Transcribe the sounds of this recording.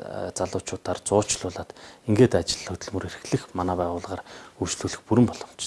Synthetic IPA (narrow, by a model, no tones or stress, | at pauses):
t͡saɮʊːt͡ɕʊːt̪aːrt͡sʊːt͡ɕɮʊːɮaːt̪iŋɡeːt̪at͡ɕɪ̆ɮxɵt̪ɵ̆ɮmɵ̆ɾerɘ̆xɮɘ̆xmanaːpæːʁʊːɮʁaːrujt͡ɕɮuːɮɘ̆xpuɾɘ̆mpɔɮɞ̆m̥t͡ɕ